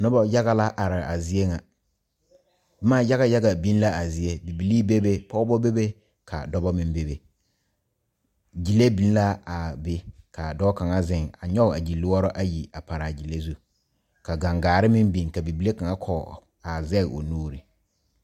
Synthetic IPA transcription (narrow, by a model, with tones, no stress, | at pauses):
nʊ˦bɔ˦ja˦ɣa˦la˦ʔa˨ɾɪ˨a˨zɪ˦e˦ŋa˨ | bɛ˦maː˦ja˦ɣa˦ja˦ɡa˨bi˦n˦la˦a˨zɪ˦e˦bi˨bi˨liː˦be˦be˦pɔ˦bɔ˦be˦be˦ | kʰa̰˨dɔ˦bɔ˦mɪ˦m˦be˦be˨ | d͡ʒi˨le˦bi˨˦n˦la˦a˨be˦kʰa˨dɔ˦bɔ˦ka˨ŋa˦zɪ˦˨ŋa˨ɲɔ˦ɣa˨d͡ʒi˨lːɪ˦wɔ˦ɾɔ˦ʔa˦ji˨a˨pa˨ɾa˨d͡ʒi˨le˦zu˦ | ka˨ɡa˨ŋɡaː˨ɾɪ˦mɪ˦m˦bi˨nka˨bi˨bi˨˦le˦ka˨ŋa˦kʰɔ˨ | a˨zɛ˦˨ɣo̰˨nuː˦ɾi˨